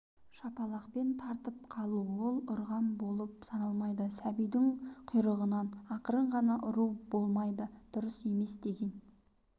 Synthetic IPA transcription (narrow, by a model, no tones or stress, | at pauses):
ʃɑpɑlˠɑqpe̞nt̪ʰɑɾt̪əp̚qʰɑlˠuwo̞lˠʊɾʁɑnbo̞lˠəp̚sɑnɑlˠmɑjd̪əsæbijd̪ɪɴqʰʊjɾəʁənɑnɑqəɾəɴʁɑnɑʔʊɾubo̞lˠmɑjd̪əd̪̥ʊɾəse̞me̞sd̪e̞ɡʲe̞n